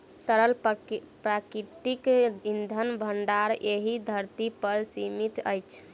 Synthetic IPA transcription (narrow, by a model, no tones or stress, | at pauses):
t̪əɾəl | pɾakɾit̪ikind̪ʱənbʱəɳɖaɾeɦid̪ʱəɾt̪ipəɾsimit̪ə̰jt͡ʃʰ